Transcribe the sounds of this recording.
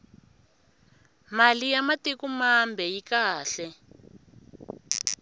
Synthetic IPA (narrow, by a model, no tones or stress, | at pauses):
malijamatekumambʱɛjikaːɬɛ